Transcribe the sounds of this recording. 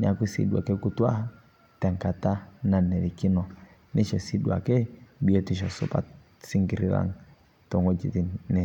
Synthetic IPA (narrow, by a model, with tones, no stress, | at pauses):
n˨a˨ki˦sḭ˦ɗwa̰˨kɛ˦ku˦twa˦ha˦ | tɛ˨ŋka˨ta˦na˨nɛ˨ɾi˨ki˦nɔ˨ | nʔɛ˦ʃɔ˨si˦ɗu˨a̰˨kɛ˦bi˦ɔ˦ti˦ʃ̬ɔ˨sɔ̰˦pa̰˦ | si˦ŋɡi˨ɾi˦ɾa̰˨ŋ | tɔ˨ŋɡɔ˦d͡ʒi˨ti˦nɛ˨